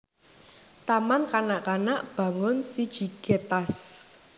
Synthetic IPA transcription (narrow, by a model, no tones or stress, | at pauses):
t̪amankanaʔkanaʔb̥ä̤ŋʊnsid̥ʒ̥i̤ɡ̥et̪as